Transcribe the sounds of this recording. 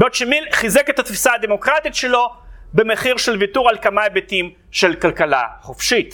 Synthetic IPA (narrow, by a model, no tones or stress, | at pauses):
botʃemilχizeket̪at̪fi̥saːd̪e̞mo̞kʁat̪itʃe̞lo̞bemeχiʁʃelvituʁalkamaebetim | ʃe̞lkalkala̰χofʃit̪